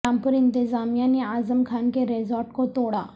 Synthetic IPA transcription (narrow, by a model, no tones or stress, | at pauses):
ãmpuɾɪ̃nt̪ɪzamijãniazəmkʰankeɾezɔɾʈkot̪oɽa